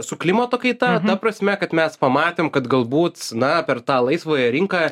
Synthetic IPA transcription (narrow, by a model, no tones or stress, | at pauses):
sʊklʲɪmɐt̪oːkɐɪt̪ɐt̪ɐpɾɐsʲmʲɛkɐt̪mʲɛspɐmɑːt̪ʲeːmkɐt̪ɡɐlˠbuːt̪nɐpʲɛrt̪ɑːlˠɐɪsʋoːjɛɾʲɪŋkɑː